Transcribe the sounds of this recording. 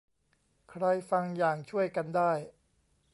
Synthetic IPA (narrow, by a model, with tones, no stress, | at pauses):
kʰɾa˧jfa˧ŋjaː˨˩ŋt͡ɕʰu˥˩əjka˧ndaː˥˩j